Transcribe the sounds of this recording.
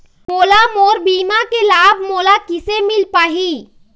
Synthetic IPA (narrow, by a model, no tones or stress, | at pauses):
moːlamoːɾbiːmakelaːbʱmoːlakɪsemɪlpaːɦiː